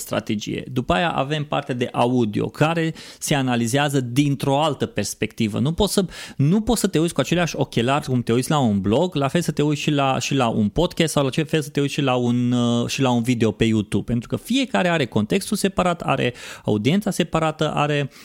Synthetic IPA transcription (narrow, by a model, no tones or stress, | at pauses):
st̪ɾa̰t̪e̞d͡ʒḭje̞̰d̪upajaʔa̰ve̞mpa̰rt̪eead̪e̞ʔaud̪io̞̰kʰaɾe̞se̞analizeazəd̪int̪ɾo̞alt̪əpe̞rspe̞k̚t̪ivə̰nupo̞t̪sənupo̞t̪sət̪e̞ut̪sʲkuat͡ʃe̞leaʃʲo̞kʲe̞larʲkumt̪eut̪sʲlaunblo̞ɡlafe̞lsət̪e̞uʃilaʃilaʔṵnpo̞t̪kʲast̪sawlat͡ʃefe̞lsə̥t̪eut̪ʲʃilaunʃilaunvid̪e̞o̞pe̞jut̪ub̚pe̞nt̪ɾukəfije̞kaɾe̞aɾe̞ko̞nt̪e̞kst̪ulse̞paɾat̪a̰ɾe̞̰a̰ud̪ient̪sase̞paɾat̪əʔa̰ɾe̞